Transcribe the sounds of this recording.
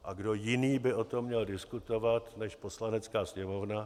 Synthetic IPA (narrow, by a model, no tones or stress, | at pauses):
ʔaɡdo̞jɪniːbɪʔo̞t̪o̞mːɲɛldɪskut̪o̞vat̪nɛʃpo̞slanɛt͡skaːsɲɛmo̞vna